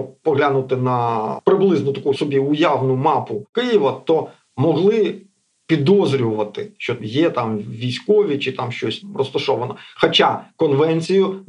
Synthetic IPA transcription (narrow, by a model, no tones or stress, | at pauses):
pɔɦlʲanʊt̪ɪnɐpɾɪblˠɪznɔt̪ɐkuʊsɔbʲiʊjaʋnʊmɑpʊkɪjɪʋɐt̪ɔ | mɔɦlˠɪ | pʲid̪ɔzɾʲʊʋɐt̪ɪʃt͡ʃɔjɛt̪ɑmʋʲijsʲkɔʋʲit͡ʃɪt̪ɑmʃt͡ʃɔsʲrɔst̪ɐʃɔʋɐnɔxɐt͡ʃakɔnʋɛnʲt͡sʲijʊ